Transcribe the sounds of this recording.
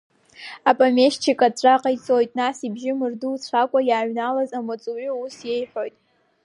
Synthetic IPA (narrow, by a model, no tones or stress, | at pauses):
apʼame̞ʃt͡ʃʰikʼat͡sʷʼaqʼajt͡sʼo̞jtʼnasibʒɪmɨrduːt͡sʷʰakʷʼajaːʕnalazamat͡sʼuiusje̞jħʷojtʼ